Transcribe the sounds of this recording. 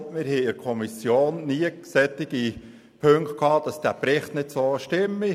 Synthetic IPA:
mɪɾhɛɪɪɾkʰɔmisjoːnːiəksɛt̪ːɪɡ̥i | pʰøŋkt̚kʰhɑːd̥ɑsd̥æpɾɪχt̪nɪtsoəʃtɪmːi

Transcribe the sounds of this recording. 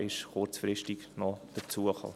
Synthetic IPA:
ʔɪʃχʊɾt͡sfɾɪʃtɪɡnɔd̪̥ət͡suəχɑ̰

